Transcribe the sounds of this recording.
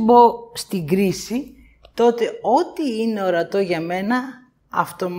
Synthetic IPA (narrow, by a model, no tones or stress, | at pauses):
bo̞st̪iɡɾisi | t̪o̞t̪e̞o̞t̪iine̞o̞ɾɐt̪o̞ʝɐme̞nɐ | ɐft̪o̞m